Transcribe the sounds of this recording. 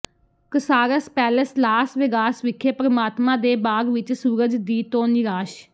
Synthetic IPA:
kəsaːɾəspɛːləslaːsʋɪɡaːsʋɪkʰːeːpəɾəmaːt̪mãːd̪eːbaːɡʋɪt͡ʃsuːɾəd͡ʒd̪iːt̪oːnɪɾaːʃ

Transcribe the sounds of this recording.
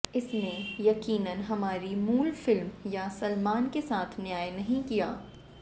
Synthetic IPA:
ɪsnejɐqiːnənɦɐmaːɾimuːlfɪlmjasɐlmaːnkesaːt̪ʰnjaːjnɐɦĩkijaː

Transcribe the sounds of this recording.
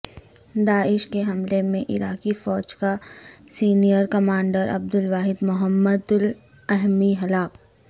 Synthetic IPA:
d̪aːɪʃkeɦɐmlemẽʔɪɾaːkifɔːd͡ʒkasiːnijəɾkɐmaːɳɖəɾʔɐ̰b̚d̪ʊlʋaːɦɪd̪mʊɦəmːəd̪ʊl | ɛɦmiɦɐlaːk

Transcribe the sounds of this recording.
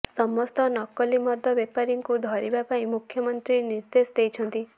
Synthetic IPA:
sɔmɔst̪ɔnɔkɔlimɔd̪ʱɔbepaɾiŋkud̪ʱɔɾibapaĩmukʰjɔmɔnt̪ɾiniɾd̪esd̪ejt͡ʃʰɔnt̪i

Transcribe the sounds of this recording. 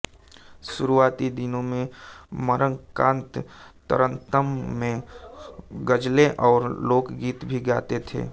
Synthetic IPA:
ʃʊɾuaːt̪id̪ɪnõmẽməɾəŋkãːnt̪ː | ə̰ɾə̃nt̪əmːẽ | ɡəd͡ʒleʔɔːɾloːkɡiːt̪bʱiɡaːt̪et̪ʰḛː

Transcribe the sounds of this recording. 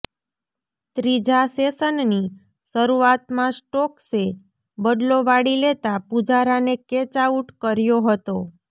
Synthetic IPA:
t̪ɾid͡ʒasesənni | səɾuat̪mãsʈɔkse | bəd̪loʋaɽilet̪apud͡ʒaɾaneket͡ʃauʈkəɾjoɦət̪o

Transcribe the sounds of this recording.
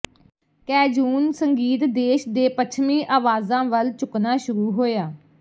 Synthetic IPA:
kɛːd͡ʒuːnsəŋɡiːt̪d̪eːʃd̪eːpət͡ʃʰmiːʔaːʋaːzãːʋəlt͡ʃʊknaːʃʊɾuːɦoːjaː

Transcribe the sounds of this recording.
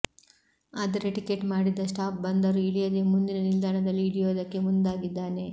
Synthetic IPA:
aːd̪ɐɾeʈikeʈmaːɽid̪ːɐsʈaːp̚bɐnd̪ɐɾuiɭijɐd̪e̞mund̪inɐnild̪ʱaːɳɐd̪ɐlːiːɽijoːd̪ɐkːe̞mund̪aːɡid̪ːaːne̞

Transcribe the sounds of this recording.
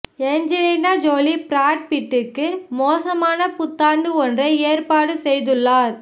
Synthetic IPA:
ɛɲd͡ʒɛlinaːd͡ʒoːlipɾaːʈ̚pɪʈːɯkːɯmoːsɐmaːnɐpʊt̪ːaːɳɖɯɔndrɐeːɾpaːɽɯsɛjðɯɭːaːɾ

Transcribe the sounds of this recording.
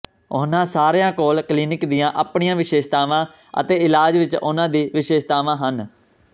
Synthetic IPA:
ʊ̰nãːsaːɾejãːkoːlkliːnɪkd̪ɪjãːʔaːpɳijãːʋɪʃeːʃt̪aːʋãː | ə̰t̪eːɪlaːd͡ʒʋɪt͡ʃʊ̰nãːd̪iːʋɪʃeːʃt̪aːʋãːɦən

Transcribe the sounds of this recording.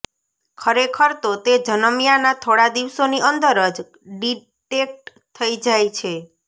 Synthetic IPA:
kʰəɾekʰəɾt̪ot̪ed͡ʒənəmijanat̪ʰoɽad̪iʋsoniʔənd̪əɾəd͡ʒ | ɖi | ʈek̚ʈ | t̪ʰəid͡ʒajt͡ʃʰe

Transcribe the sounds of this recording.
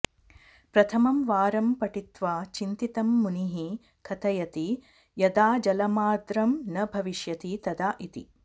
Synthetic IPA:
pɾɐt̪ʰɐmɐmʋaːɾɐmpɐʈit̪ʋaːt͡ʃint̪it̪ɐmːuniɦi | kʰɐt̪ʰɐjɐt̪i | jɐd̪aːd͡ʒɐlɐmaːd̪ɾɐmnɐbʱɐʋiʃjɐt̪it̪ɐd̪aːʔit̪ḭ

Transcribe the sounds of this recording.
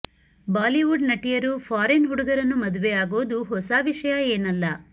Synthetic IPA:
baːliʋuɖnɐʈijɐɾupʰaːɾenɦuɽuɡɐɾɐnːumɐd̪uʋejaːɡoːd̪uɦɔsaːʋiʂɐjɐeːnɐlːɐ

